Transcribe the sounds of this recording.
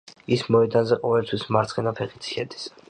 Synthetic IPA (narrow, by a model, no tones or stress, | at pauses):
ismɔɛd̪anzɛqʼɔvɛlt̪ʰwismaɾt̪sqʼinapʰɛqʼit̪sʰi̥ʃɛd̪i̥s